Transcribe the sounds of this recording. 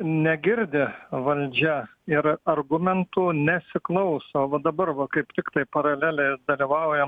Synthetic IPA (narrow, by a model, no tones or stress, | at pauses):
nʲɛɡʲɪɾʲd̪ʲɪʋɐlʲd͡ʒʲɛɪɾɐrɡʊmʲɛnt̪uːnʲɛsʲɪklˠɐʊsoːʋɐd̪ɐbɐrʋɐkɐɪpt̪ʲɪkt̪ɐɪpɐɾɐlʲæːlʲɛɪsd̪ɐlʲiʋɐʊjɛ